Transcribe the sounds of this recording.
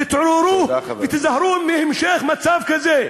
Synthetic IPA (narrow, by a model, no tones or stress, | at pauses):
ɪt̪ʕoɾuvet̪ɪzahɾumehemʃeχmat͡savkaze